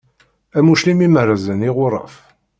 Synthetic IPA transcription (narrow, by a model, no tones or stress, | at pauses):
æmuʃlimimərːəzəniʁʊɾˤɑ̰f